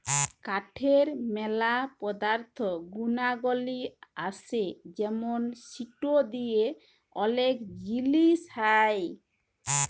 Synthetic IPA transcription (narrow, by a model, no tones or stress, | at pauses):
kaʈʰeɾmɛlapɔd̪aɾt̪ʰɔɡunaɡoliased͡ʒɛmonsiʈod̪ije | ɔlekd͡ʒilishaj